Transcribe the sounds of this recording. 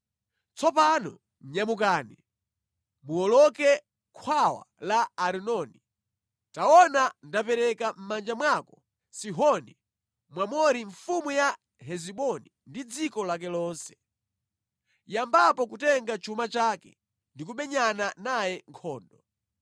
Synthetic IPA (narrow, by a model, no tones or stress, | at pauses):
t͡sɔpanɔ̰ | ɲamukaːni | muɔlɔkɛ | kʰwawa̰laːɾinɔni | taɔnandapɛɾɛkam̩mand͡ʒamwakɔ̥ | siɦɔni | mwamɔɾiɱfumuja | ɦɛziɓɔni | ndid͡zikɔlak̬ɛlɔːnsɛ̥ | jambapɔkutɛŋɡat͡ʃʰumat͡ʃaːkɛ̰ | ndik̬uɓɛɲananajɛŋkʰɔːndɔ